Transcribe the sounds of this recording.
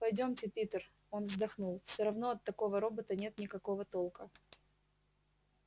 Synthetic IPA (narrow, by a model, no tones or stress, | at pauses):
pɐjdʲo̞mtʲɪpʲit̪ər | o̞nvzd̪ɐxnulˠfsʲoɾɐvnoɐt̪ːɐko̞vəɾo̞bət̪ənʲet̪nʲɪkɐko̞vət̪o̞lˠkə